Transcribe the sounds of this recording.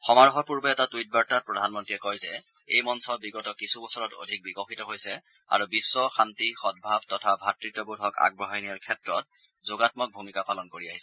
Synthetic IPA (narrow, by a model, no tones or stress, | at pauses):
xɔmaɹɔxɔpuɹbɛɛtatujt̚baɹtat̚pɹɔdʱanmɔntɹiɛkɔjzɛ | ejmɔnsɔbiɡɔtɔkisubɔsɔɹɔto̰dʱik̚bikɔxitɔɦojsɛ | a̰ɹubisːɔxantixɔd̚bʱab̚tɔtʰabʱatɹitːɔbodʱɔka̰ɡ̚bɔɦajniɔɹkʰɛtɹɔt̚ | zoɡatmɔk̚bʱumikapalɔnkoɹiaɦisɛ̥